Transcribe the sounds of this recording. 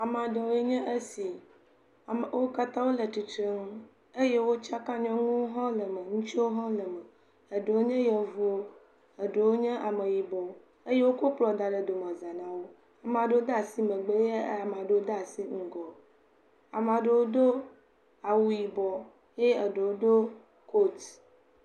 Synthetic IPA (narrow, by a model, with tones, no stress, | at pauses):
a˨m˨ã˨ɖe˨wo˦je˦ɲɛ̃˦ʔe˦si˨ | m˨wo˦ka˦t̪ã˦wo˦lə˨t̪i˨t̪ɾe˦ŋũ˦ | e˦je˦wo˦t͡ʃa˦kã˦ɲɔ̃˦ŋũ˦wo˦ɦɔ̃˦lə˨mə̃˨ŋũ˦t͡ʃi˦wo˦ɦɔ̃˦lə˨mə̃˨ | ə˨ɖe˨wo˦ɲɛ̃˦jɛ˨vu˦wo˦ | ə˨ɖe˨wo˦ɲɛ̃˦ʔa˨mə˨ji˨bɔ˨˦ | e˦je˦wo˦ko˦k͡plɔ˨d̪a˨ɖe˨d̪o˨mɔ̃˨za˨nã˦wo˦ | a˨m˨a˨ɖe˦wo˦d̪a˨si˦mə̃˨ɡ͡be˦je˦a˨m˨ã˨ɖe˦wo˦d̪a˦a˨si˦ŋ̩˦ɡɔ˨ | a˨m˨ã˨ɖe˨wo˦d̪o˦ | a˨wu˦ji˨bɔ˨ | je˦ə˨ɖe˨wo˦d̪o˦ | kʰo˦t̪